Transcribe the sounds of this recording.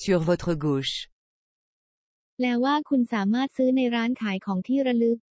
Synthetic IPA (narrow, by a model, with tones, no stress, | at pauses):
sy˧ʁvo˧t̪χəɡu˧ʃ | lɛː˦˥waː˥˩kʰu˧nsaː˩˦maː˥˩t̪̚sɯː˦˥na˧jɾaː˦˥nkʰaː˩˦jkʰɔː˩˦ŋt̪ʰiː˥˩ɾa˧lɯ˦˥k̚